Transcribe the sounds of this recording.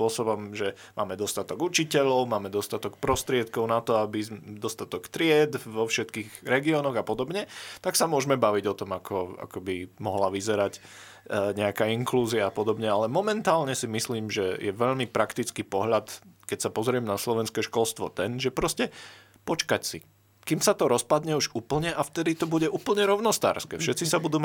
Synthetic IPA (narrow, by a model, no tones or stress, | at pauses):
ɔsɔbɔmʒɛ | mʔaːmɛd̪ɔst̪at̪ɔɡut͡ʃicɛʎɔʊmaːmɛd̪ɔst̪at̪ɔkpɾɔst̪ɾɪɛt̪kɔʊnat̪ɔabid̪ɔst̪at̪ɔkt̪ɾɪɛd̪ʋɔfʃɛt̪kiːɣɾɛɡiɔnɔɣapɔd̪ɔbɲɛt̪aksamʊɔʒmɛbaʋiɟɔt̪ɔmakʰɔa̰kɔbimɔɦlaʋizɛɾac | ɲɛakaːiŋkluːziaːpɔd̪ɔbɲɛalɛmɔmɛnt̪aːlɲɛsimisliːmʒɛjɛʋɛʎmipɾakt̪it͡skipɔɦʎat̪kɛcsapɔzɾɪɛmnaslɔʋɛnskɛːʃkɔlst̪ʋɔ̰t̪ɛnʒɛpɾɔscɛ | pɔt͡ʃkacsḭ | kiːmsat̪ɔɾɔspad̪ɲɛuʒuːpl̩ɲɛʔaft̪ɛd̪it̪ɔbuɟɛʔuːpl̩ɲɛɾɔʊnɔst̪a̰ːɾskɛ̰fʃɛt̪t͡sisabud̪uːm